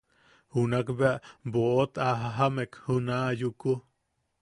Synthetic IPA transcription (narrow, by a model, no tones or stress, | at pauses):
hunakbeaʔboot̪aɦaɦamekhunaʔjuku